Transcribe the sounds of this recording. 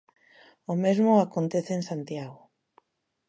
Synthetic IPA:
omezmʊakont̪eθeensant̪jaɣʊ

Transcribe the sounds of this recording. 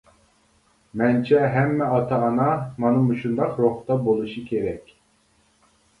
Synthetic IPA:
mɛnt͡ʃʰɛɦɛmːɛɑt̪ʰɑːnɑmɑnɯmuʃund̪ɑqɾoχt̪ɑbolˠuʃɨkʲʰeɾɛkʲ

